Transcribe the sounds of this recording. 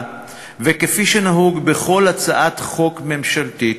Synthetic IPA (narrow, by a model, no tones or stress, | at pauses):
vekefiʃenaɦuɡbeχo̞lat͡saʔat̪χo̞kme̞mʃalt̪i